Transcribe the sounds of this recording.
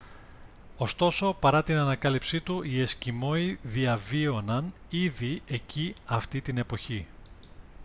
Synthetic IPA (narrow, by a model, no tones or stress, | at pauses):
o̞st̪o̞so̞pɐɾɐt̪inɐnɐkɐlipsit̪uʔie̞scimo̞iðiɐvio̞nɐn | iðie̞ciɐft̪it̪ine̞po̞çi